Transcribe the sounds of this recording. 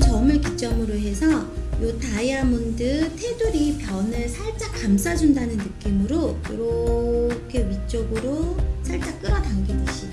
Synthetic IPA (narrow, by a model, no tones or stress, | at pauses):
t͡ɕʌmɯɭkit͡ɕ͈ʌmɯɾoɦe̞sʰʌjotaiamundɯtʰe̞duɾipjʌnɯɭsʰaɭt͡ɕ͈akamsʰad͡ʑundanɯnːɯk͈imɯɾojo̰ɾʌkʰe̞ɥit͡ɕ͈ʌɡɯɾosʰaɭt͡ɕ͈ak͈ɯɾʌdaŋɡedeɕʰida